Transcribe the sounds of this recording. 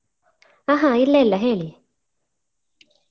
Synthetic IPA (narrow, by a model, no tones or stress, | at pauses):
aɦãilɛlaɦɛli